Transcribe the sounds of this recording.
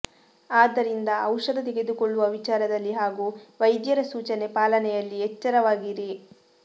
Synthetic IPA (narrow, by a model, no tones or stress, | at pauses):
aːd̪ːɐɾind̪ɐʔɐwʂɐd̪ɐt̪eɡe̞d̪ukoɭːuʋɐʋit͡ʃaːɾɐd̪ɐlːiɦaːɡuːʋɐjd̪jɐɾɐsuːt͡ʃɐne̞paːlɐnɛjɐlːiɛt͡ʃːɐɾɐʋaːɡiɾi